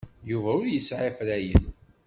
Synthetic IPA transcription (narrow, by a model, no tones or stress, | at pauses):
juvæʊɾjəsʕɪfɾæjə̰n